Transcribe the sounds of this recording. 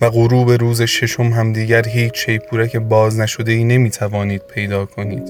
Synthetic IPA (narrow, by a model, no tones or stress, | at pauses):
væɣoɾuːbe̞ɾuːze̞ʃe̞ʃo̞mɦæmd̪iːɟæɾɦiːt͡ʃʰʃe̞jpʰuːɾæcʰe̞bɒːznæʃo̞d̪e̞iːne̞miːt̪ʰævɒːniːd̪̥̚pʰe̞jd̪ɒːkʰo̞niːd̪̥